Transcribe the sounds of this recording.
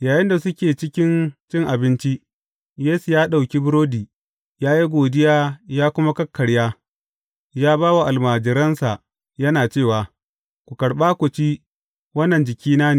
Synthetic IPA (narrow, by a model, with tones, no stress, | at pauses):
jaː˨jɪ˦nda˨sʊ˦kʲeː˨t͡ʃɪ˦kʲɪ˦nt͡ʃɪ˦ŋʔa˨bɪ˦nt͡ʃi˦ʔ | jeː˦su˨jaː˦ɗa˨wkʲi˦bʊ˦ɾoː˦diː˨ | jaː˦ji˦ɡʷoː˨dɪ˦jaː˦jaː˦kʷʊ˦ma˦kɐ˦kʰːɐ˨ɽjaː˦ | jaː˦baː˦wa˨ʔa˨lmaː˨d͡ʒɪ˨ɾɐ˦nsa˨ | jɐ˦naː˨t͡ʃeː˦˨waː˨ | kʷu˨kɐ˨ɽɓaː˦kʷʊ˨t͡ʃiː˦ | wɐ˦nːɐ˨nd͡ʒɪ˨kʲiː˦naː˦neː˨